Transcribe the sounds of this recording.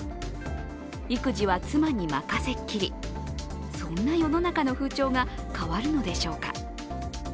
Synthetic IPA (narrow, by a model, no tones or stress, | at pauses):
ikɯ̟ʑiβat͡sɨmaɲ̟imakase̞kʲːiɾʲi | sõ̞nːajo̞no̞nakano̞ɸɯ̟ːt͡ɕo̞ːɡakaβaɾɯ̟no̞d̪e̞ɕo̞ːka̰